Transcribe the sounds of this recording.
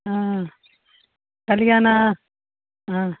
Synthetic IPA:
aː | kɐliɡaːna | a

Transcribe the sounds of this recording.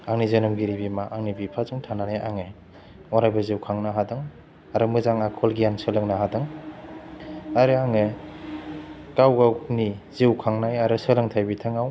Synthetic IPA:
aŋnizɯnɔmɡiɾibimaʔaŋnibipʰazɯŋtʰananeʔaŋɯ | waɾajbaziwkʰaŋnaɦadɯŋ | aɾɯmɯzaŋakʰɔlɡijaŋsɯlɯŋnaɦadɯŋ | aɾɯaŋe | kawɡaniziwkʰaŋnajaɾɯsɯlɯŋtʰajbitʰɯŋaw

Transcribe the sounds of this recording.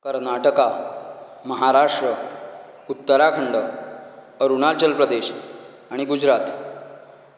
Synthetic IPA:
kəɾnaʈəka | məɦaɾaʂʈɾə | ut̪ːəɾakʰəɳɖə | əɾunalt͡ɕəlpɾəd̪eɕ | aɽ̃iɡud͡ʑɾat̪

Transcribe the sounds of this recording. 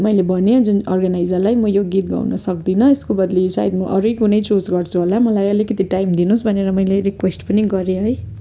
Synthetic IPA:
mʌjlebʌneod͡zunʌ̰rɡanajd͡zʌrlajmʌjoɡit̪̚ɡa̰wnʌsʌk̚d̪inʌeskobʌd̪lisa̰id̪mʌʔʌɾujkunʌjt͡sod͡zɡʌrt͡sʰuɦolamʌlajʌlikʌt̪iʈajmd̪inusbʱʌneɾʌmʌjleɾikwesʈpʌniɡʌɾeɦʌj

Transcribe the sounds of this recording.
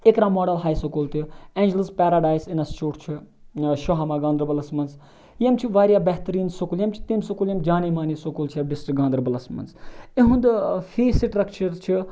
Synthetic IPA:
ekɾaːmoːɖɐlɦaːjsokuːlt̪iẽːnd͡ʒələzpaːɾaːɖaːjsinɐst͡ʃuːʈt͡ʃʰi | ʃoɦamaːɡaːnd̪ɾəbɐlɐsmɐnz | jɐmt͡ʃʰiʋaːɾjaːbɛɦt̪ɐɾiːnsokuljɐmt͡ʃʰi̥t̪imsukuljɐmd͡ʒaːniːmaːniːsokult͡ʃʰiɐɖisʈɾɡãːnd̪ɾɐbɐlɐsmɐ̰nzeɦũnd̪fʰiːsiʈɾɐkt͡ʃɐɾt͡ʃʰi

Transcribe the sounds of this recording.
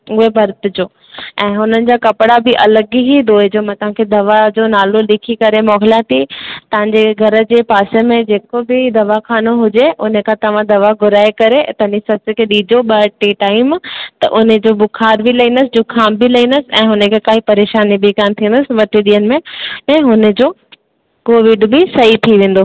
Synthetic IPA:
ʊɦebʱɐɾt̪ɪd͡ʑoː | ɛ̃ːɦʊnənɪ̆d͡ʑaːkɐpɽabɪʔɐləɡɦid̪oːɪd͡ʑoːmãt̪ɐʋ̤ãkʰed̪ɐʋad͡ʑoːnaːlolɪkʰikɐɾemɔːɦɪlãt̪it̪ɐʋ̤ãɲ̆d͡ʑeɡʱɐɾə̆d͡ʑeːpaːsemẽd͡ʑeːkobɪd̪ɐʋaxʰaːnoɦʊd͡ʑeʔʊnəkʰãt̪ɐʋ̤ãd̪ɐʋaɡʱʊɾaːekɐɾet̪ɐɦɲd͡ʑisɐskʰeɗiːd͡ʑoɓɐʈiʈaːɪmt̪ɐ̰ʔʊnd͡ʑoːbʊkʰaːɾbʱɪlɐɦĩːnd̪əsɪd͡ʑʊkʰaːmbilɐɦĩːnd̪əsɪ̆ɛ̃ːɦʊnə̃kʰekaːɦipɐɾeːʃaːnibʱɪkaːnt̪ʰiːə̃nd̪əsɪʋɐʈʰeɗ̪iːənɪ̆mẽɛ̃ːɦʊnə̆d͡ʑoː | koːʋɪɖbɪsɐɦit̪ʰiʋẽːnd̪oː

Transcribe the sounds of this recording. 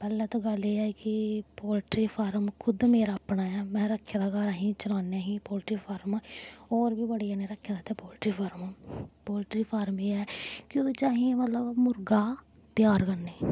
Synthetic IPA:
pɛːlːɛːt̪õːɡəleːɛːkɪpoːlʈɾiːpʰaːɾmkʰʊd̪meːɾaːpnaːɛːmɛ̃ːɾəkʰːeːd̪aːkaɾaɦĩːt͡ʃəlaːneaːɦĩːpoːlʈɾiːpʰaːɾmaoːɾbiːbəɽiːaːnẽːɾəkʰːed̪aːt̪eːpoːlʈɾiːpʰaːɾmaːpoːlʈɾiːpʰaːɾmeːɛːkjõet͡ʃaːɦĩẽmət̪ləbmʊɾɡaː | t̪ɪjaːɾkənːeː

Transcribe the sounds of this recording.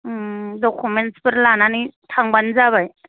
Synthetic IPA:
dɔkʰumentsbɯɾlananitʰaŋbanzabaj

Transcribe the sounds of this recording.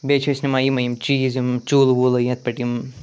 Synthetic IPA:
bet͡ʃʰesnimajimɐjimt͡ʃiːzimt͡ʃuːlwulɐjɐt̪̚pɐʈim

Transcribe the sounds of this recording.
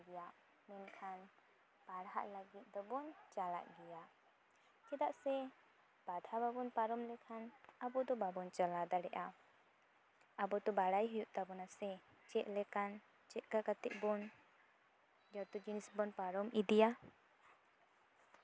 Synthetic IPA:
ɡɛjaʔ | mɛnkʰan | baɽɦa̰ʔləɡit̪̚d̪ɔbɔnt͡ʃala̰ʔɡɛjaʔ | kɛd̪aʔsɛ | b̥ad̪ʱababɔnpaɾɔmlɛkʰanabɔd̪ɔbabɔnt͡ʃəlad̪aɽɛʔa | abɔt̪ɔbaɽajɦujuʔt̪abɔnasɛ | t͡ʃɛʔ̪̚ˀlɛkan | t͡ʃɛʔ̪̚kakat̪ɛʔ̚bɔn | d͡ʒaɾt̪ud͡ʒinisbɔnpaɾɔmid̪ija

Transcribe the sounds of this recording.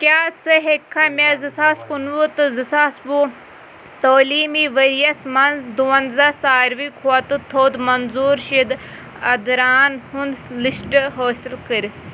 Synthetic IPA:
kjaːt͡sʰɨɦekʰːamezɨsaːskunʋut̪ɨzɨsaːsbuː | t̪oːliːmiʋɐɾijɐsmɐnzd̪uɐnzɐsaːɾʋikʰuɐt̪ɨt̪ʰoːd̪mɐnzuːɾʃid̪ | ɐd̪ɾaːnhund̪lisʈɦoːsilkəɾ

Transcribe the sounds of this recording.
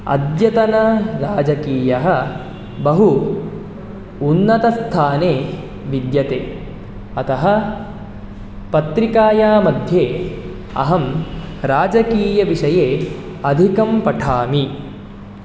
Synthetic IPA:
ɐ̰d̪jɐt̪ɐnɐɾaːd͡ʒɐkiːjɐɦɐ̆ | bɐɦu | nːɐt̪ɐst̪ʰaːneː | ʋid̪jɐt̪eː | ɐt̪ɐɦɐ̆ | pɐt̪ɾikaːjaːmɐd̪ʱjeː | ɐ̰ɦɐm | ɾaːd͡ʒɐkiːjɐʋiʂɐjeː | ɐd̪ʱikɐmpɐʈʰaːmi

